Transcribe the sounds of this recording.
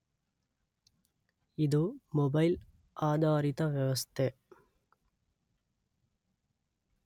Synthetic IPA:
iðoːmɔbɐɪl | ʔaːd̪aːɾɪt̪ɐʋjɐʋɐst̪ʰe

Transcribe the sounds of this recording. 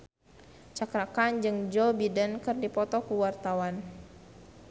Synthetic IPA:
t͡ʃakɾakand͡ʒɨŋd͡ʒɔbidənkɨrdipɔt̪ɔkuwart̪awan

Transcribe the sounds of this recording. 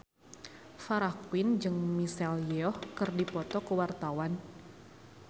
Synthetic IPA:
faɾakwɪnd͡ʒɨŋmisɛljɛɔhkɨrdipɔt̪ɔkəwart̪awan

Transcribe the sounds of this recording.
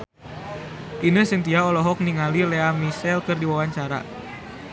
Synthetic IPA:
ʔinəhsənt̪iaɔlɔɦɔk̚niŋalileamisɛlkərdiwawaɲt͡ʃaɾa̰

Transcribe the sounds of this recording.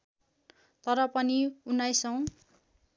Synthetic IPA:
t̪ʌɾʌpʌniunajsʌw̃

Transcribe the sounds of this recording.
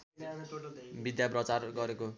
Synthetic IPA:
bid̪japrʌt͡sarɡʌɾeko

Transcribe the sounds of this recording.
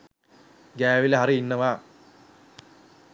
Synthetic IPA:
ɡaːʋilɐɦɐriinːɐʋaː

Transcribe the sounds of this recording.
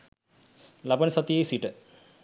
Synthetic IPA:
labanəsat̪ijejsiʈə

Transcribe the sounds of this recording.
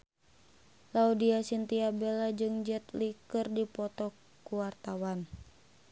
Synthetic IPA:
laudiasint̪iabɛlad͡ʒɨŋd͡ʒɛt̪likɨrdipɔt̪ɔ | kuwart̪awan

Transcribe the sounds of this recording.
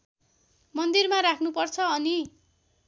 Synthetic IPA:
mʌnd̪irmaɾakʰnupʌrt͡sʰʌʌni

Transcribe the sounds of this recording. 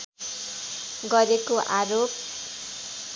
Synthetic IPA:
ɡʌɾekoʔaɾop̚

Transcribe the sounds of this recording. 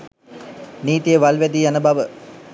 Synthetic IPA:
niːt̪ijəʋalʋæd̪iːjanəbaʋə

